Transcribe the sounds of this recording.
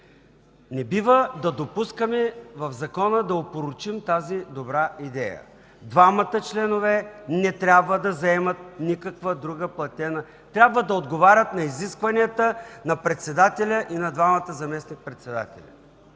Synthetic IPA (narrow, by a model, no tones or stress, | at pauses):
nɛbivəd̪ɐd̪opuskəmɛvɐvzɐkɔnəd̪ɐopoɾʊt͡ʃimt̪azid̪obɾaʔid̪ɛjə̰ | d̪vamət̪ət͡ʃlɛnovɛnɛt̪ɾʲabvəd̪ɐzɐɛmət̪̚nikəkvəd̪ɾuɡəplˠɐt̪ʲɛnə | t̪ɾʲabvəd̪ɐod̪ɡovaɾʲət̪nɐiziskvɐniət̪ənɐpɾɛt̪sɛd̪at̪ɛlʲəʔinɐd̪vamət̪əzɐmɛsnik̚pɾɛt̪sɛd̪a̰t̪ɛ̰lʲɐ̰